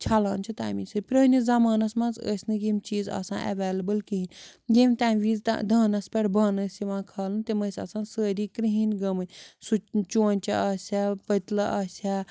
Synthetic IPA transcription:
t͡ʃʰɐlaːnʲt͡ʃʰit̪a̰ːmisɨpɾəːnʲizɐmaːnɐsmɐ̃nzə̰ːsʲnɨɡimʲt͡ʃiːzɐ̰sã̰ːʔɐ̰ʋeːlɐbɐlkiɦinʲɡimʲt̪aːmʋiːz̰d̪ʱaːnɐspʲɛʈbaːnɐsiʋãːkʰaːlɨnt̪imɐsʲɐ̰sãːnsəːɾiːkɾiɦinɡɐmɨnʲsut͡ʃoːnʲt͡ʃʰɐaːsʲaːpət̪lɐʔaːsʲaː

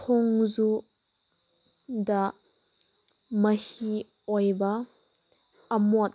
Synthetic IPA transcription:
tʰɔŋzu | da | mɐhi | ɔjbɐ | ɐmɔt̪̚

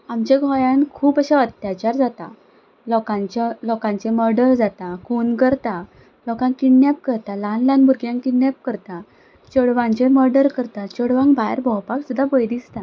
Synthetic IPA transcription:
amt͡ɕeɡʱɔjãnkʰuːpəɕaət̪jat͡ɕaɾd͡zat̪a̰ | lɔkãt͡ɕlɔkãɲt͡ɕeməɾɖəɾd͡zat̪akʰunkəɾt̪a | lɔkãŋkiɳnjap̚kəɾt̪alanlãnbuɾɡjãŋkiɳnjap̚kəɾt̪a | t͡ɕəɽʋãɲt͡ɕeməɾɖəɾkəɾt̪at͡ɕəɽʋãŋbajəɾbʱɔwpaksud̪ʱːabəjd̪ist̪a

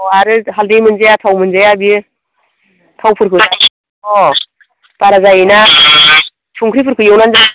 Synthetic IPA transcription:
ɔaɾɯɦaldejmɯnzajatʰawmɯnzajabi | tʰawpʰɯɾkʰɯsa | ɔ | baɾazajina | tʰuŋkʰɾipʰɯɾkʰɯjewnanza

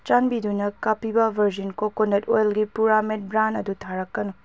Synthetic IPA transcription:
t͡ʃanbidunɐkapibɐbʱɐɾzinkokonɐtojlɡipuɾamet̚bɾanɐdutʰaɾɐkːɐnu

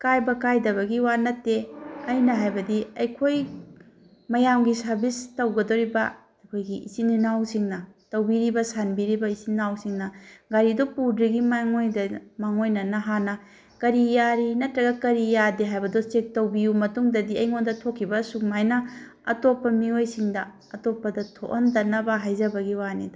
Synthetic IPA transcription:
kajbɐkajdɐβɐɡiwanɐtːeɐjnɐɦajbɐdiɐjkʰoj | mɐjamɡisɐɾbistɐwɡɐdoɾibɐ | kʰojɡiḭsininawsiŋnɐtɐwbiɾibɐsanbiɾibɐisinawsiŋnɐɡaɾidopudɾiɡimaŋojdɐmaŋojnɐnɐɦanɐ | kɐɾijaɾinɐtɾɐɡɐkɐɾijadeɦajbɐdosek̚tɐwbijumɐtuŋdɐdiɐjŋondɐtʰokʰːibɐsukmajnɐ | ɐ̰topːɐmiojsiŋdɐ | ɐtopːɐdɐtʰo̰ʔontɐnːɐbɐɦajzɐbɐɡiwanida

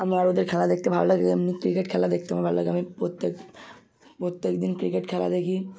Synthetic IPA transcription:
amɾaɾod̪eɾkʰɛlad̪ek̚t̪ebʱablaɡeamnikɾikeʈkʰɛlad̪ek̚ʰt̪embʱablaɡeamipɾot̪ːek | pɾot̪ːekd̪inkɾikeʈkʰɛla̰d̪ekʰi

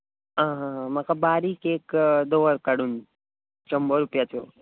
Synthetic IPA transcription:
ɦãːɦãɦmakabaːɾikeːkd̪oʋəɾkəɽun | t͡ʃɐmbəɾupjat̪ʰjo

